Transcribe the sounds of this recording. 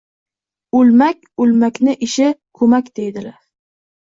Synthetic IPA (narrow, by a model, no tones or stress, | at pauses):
ɵlmakʲʊlmakʲnɪʔɪʃɪkʰɵmakʲd̪ejd̪ɪlaɾ